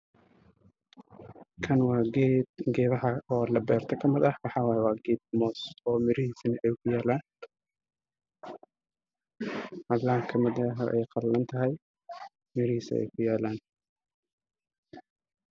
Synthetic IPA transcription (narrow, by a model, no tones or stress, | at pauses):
kʰɐnwɑːɡɛd̪ɡɛːβɐhɐɔːlɐbɛːrt̪ʰɐkʰɐmɪðɐħwɑħɑːwaːjɛwɑːɡɛːd̪̚mɔːsɔːmɪɾɪɦiːsɐnɐʔɛjkʰʊjaːlaːn | ʔɑd̪lɐɐkʰɐmɪðɐɦɐʔɛ̰jqɑlːɐnt̪ʰɐɦɛj | mɪɾɪhiːsɐ̰ɛ̰jkʰʊjaːlaːn